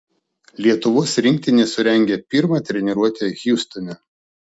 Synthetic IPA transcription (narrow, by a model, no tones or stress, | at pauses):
lʲiɛt̪ʊʋoːsɾʲɪ̃ŋʲk̚ʲt̪ʲɪnʲɛsʊɾʲɛŋʲɡʲɛpʲɪɾmɑt̪ʲɾʲɛnʲɛɾuɔt̪ʲeɣʲuːst̪ɔmʲɛ